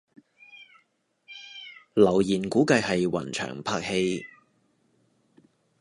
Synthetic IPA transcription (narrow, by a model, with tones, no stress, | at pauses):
lɐ˨˩wjiː˨˩nkuː˨˥kɐ˧jhɐ˨jwɐ̰˨˩nt͡ʃʰœ̰ː˨˩ŋpʰaː˧˥k̚he˧j